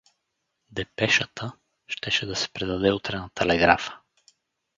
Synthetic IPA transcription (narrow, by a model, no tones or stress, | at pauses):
d̪ɛpɛʃət̪ə | ʃt̪ɛʃɛd̪ɐsɛ̥pɾɛd̪ɐd̪ɛut̪ɾɛnət̪ɛlɛɡɾafə̥